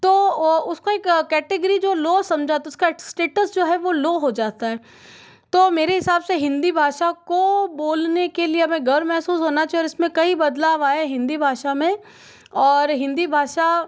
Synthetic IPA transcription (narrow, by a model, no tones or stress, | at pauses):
t̪oːʊskoeːkkɛːʈɪɡəɾid͡ʒoːloːsɐ̃md͡ʒʱaːt̪ɛʊskasʈeːʈəsd͡ʒoːɦɛʋoloːɦod͡ʒaːt̪aɦɛː | t̪oːmeːɾeɦɪsaːbseɦɪ̃nd̪ibʱaːʃakoboːlnekelieɐmẽɡʱɐɾmɛɦsuːsɦoːnat͡ʃʰiɔːɾɪsmẽkɐibɐd̪laːʋaːeɦɪ̃nd̪ibʱaːʃamẽ | ɔːɾɦɪ̃nd̪ibʱaːʃa